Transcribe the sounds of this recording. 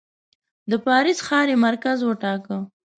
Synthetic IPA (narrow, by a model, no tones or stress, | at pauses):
d̪əpɑɾisxɑɾemaɾkazwəʈɑkə